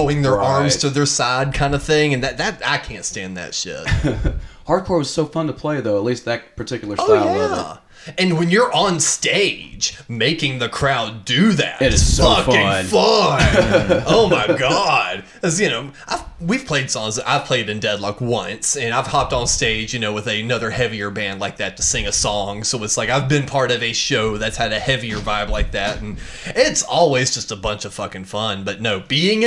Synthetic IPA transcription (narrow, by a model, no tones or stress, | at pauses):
ʊɪ̃ŋðə˞ʔɑɹmz̥tʰɨðə˞saɪd̚kʰãɪ̃ndəv̥θɪ̃ŋɨ̃nðɨt̪̚ðɨt̚a̰ɪkʰæ̃ntstæ̃nðɨ̰tʃɪ̰t | hɑɹd̚kʰɔɹwʌz̥soʊfʌ̃ntʰəpʰl̥eɪðoʊətˡlist̪̚ðɨt̚pʰə˞tʰɪkjl̩ˠə˞sojæ | ɨ̃nwɨ̃njə˞ʔə̃nsteɪd̥d͡ʒmeɪkɪ̃ŋðɨkʰɹ̥aʊdɨðæ̰tz̥fʌkfɪ̃nfʌ | oʊmaɪɡɑd̥̚ | kʰʌzjɨnoʊʔaɪv̥wiv̥pʰl̥eɪd̥sɔ̃ŋzʔa̰ɪv̥pʰl̥eɪɾɨ̃ndɛdˡlʌkwʌ̃nsɨ̃naɪv̥hɑp̚tn̩steɪd͡ʒjɨnoʊwɨðɨnʌðə˞hɛviə˞bæ̃ndlaɪk̚ðætʰɨsɪ̃ŋɨsɔ̃ŋsoʊɨtslaɪkaɪvbɨ̃npʰɑɹɾʌvɨʃoʊðɨtshɨɾɨhɛviə˞vaɪvlaɪk̚ðæt̚n̩ | ɪtsɔlˠwizd͡ʒʌstəbʌ̃nt͡ʃʌv̥fʌkɪ̃ŋfʌ̃nbʌtⁿnoʊb̥iɪ̃ŋ